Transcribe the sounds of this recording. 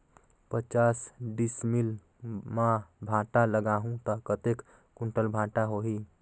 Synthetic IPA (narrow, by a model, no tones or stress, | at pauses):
pət͡ʃasɖismil | mãbʱãʈaləɡaɦũt̪ɔkət̪ek | kuɳʈəlbʱãʈaɦoɦi